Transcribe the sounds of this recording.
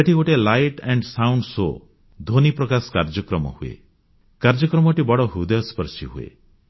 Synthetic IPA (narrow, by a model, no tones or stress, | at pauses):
eʈikoʈelajʈɛɳɖsawɳɖso̰ | d̪ʱonipɾɔkasɔ̥kaɾd͡ʒɔkɾɔmɔ̰huḛ | kaɾd͡ʒɔkɾɔmɔʈibɔɽɔɦud̪ɔjɔspɔɾsiɦuḛ